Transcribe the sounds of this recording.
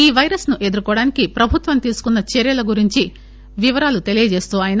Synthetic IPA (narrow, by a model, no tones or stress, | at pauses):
iːʋɐjɾɐsnuʔed̪uɾukɔːɽaːnikipɾɐbʱut̪ʋɐmt̪iːsu̥kunːɐt͡ʃeɾjɐlɐɡuɾiɲt͡ʃi | ʋiʋɐɾaːlut̪e̞lijɐd͡ʒe̞ːst̪uaːjɐn